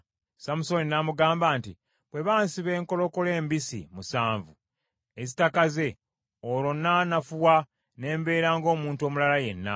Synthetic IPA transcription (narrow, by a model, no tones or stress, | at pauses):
samuso̞ninamuɡaːmbaːntḭ | bwe̞βaːnsiβe̞ːŋko̞lo̞kole̞ːmbisḭmusaːɱvu | e̞zitakaze̞ | oɾlo̞nːanafuwa | ne̞ːmbe̞ːɾaːŋɡo̞ːmuːntuo̞ːmulalaje̞̰nːa̰